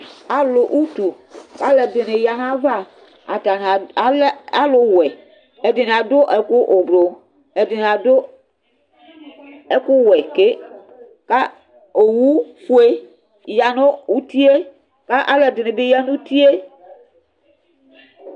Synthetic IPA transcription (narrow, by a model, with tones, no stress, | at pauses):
a˨lo˨ʔu˦t̪u˨ | ka˦le˨d̪e˨ne˨ja˨ɦã˦va˦ | a̰˨t̪a˨n˨˦ | a˦lo˦wɛ˨ | e˦de˨n˨a˨do˦ʔɛ˦ku˦ʔo˨blo˨ | e˨de˨n˨a˨d̪o˦ | e˦ku˦wɛ˨ke˦ | ka˦ | o˨wu˦fu˦e˦ | ja˨no˦wu˦t̪i˦e˦ | ka˦ʔa˦le˨d̪e˨ne˨be˦ja˦nũ˦t̪i˦e˦